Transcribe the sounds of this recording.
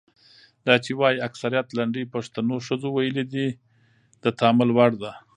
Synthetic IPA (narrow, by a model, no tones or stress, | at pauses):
d̪ɑt͡ʃewɑjiaksaɾijat̪laɳɖəjpaʂt̪anoʃəzowajəled̪i | d̪ət̪ɑmɪlwaɽd̪a